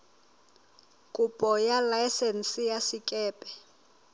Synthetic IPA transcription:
kʼupʼɔjalajsɛnsijasikʼɛːpʼɛ̥

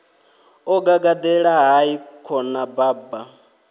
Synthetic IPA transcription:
ɔɡaɡad̪ɛɺaɦaikʰɔnabaːba

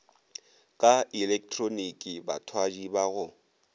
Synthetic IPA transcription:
kʼailɛk̚tʰʼronikʼiba̰tʰwad͡ʒibaɣʊ

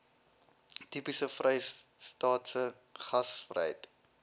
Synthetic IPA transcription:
tipisəfrɛjstɑːtsə | χɐsfrɛ̰jt

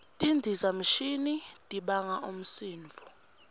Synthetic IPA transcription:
tʼindʱizam̩ʃinitʼiɓaŋaʔum̩siːɱvʱɔ

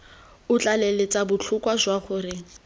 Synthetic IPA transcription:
ʊt͡ɬʼalelet͡sabʊt͡ɬʰʊkʼwazwaχʊrɪ

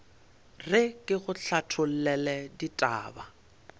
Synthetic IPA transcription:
rɪkʼɪɣʊɬʰatʰʊl̩lɛlɛditʼa̰ːba

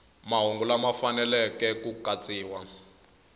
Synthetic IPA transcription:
maɦoŋɡulamafanɛlɛkɛkukat͡sʼiːwa

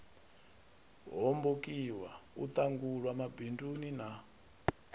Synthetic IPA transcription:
ɦɔmbokiwaṵt̪aŋɡuɺwamabindunina

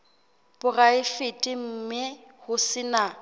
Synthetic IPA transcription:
b̥ʊraɪfɪtʼɪm̩mɪhʊsɪna

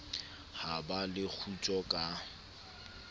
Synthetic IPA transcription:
habalɪk͡xʰut͡ʃʼɔkʼa

